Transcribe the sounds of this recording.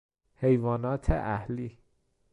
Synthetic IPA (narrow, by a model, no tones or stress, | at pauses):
hejvɒːnɒːt̪ʰḛʔæhliː